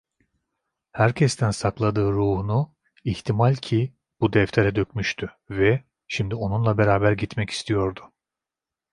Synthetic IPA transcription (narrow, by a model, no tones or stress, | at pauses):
hæɾcʰɛst̪ʰænsaklˠad̪ɯːɾuːhunu | iht̪ʰimalʲcʰi | b̥ud̪ɛft̪ʰeɾɛd̪øcmyʃt̪ʰy | vɛ | ʃimd̪io̞nunlˠabe̞ɾaːbæɾɟit̪mɛci̥st̪ʰijo̞ɾd̪ʊ̥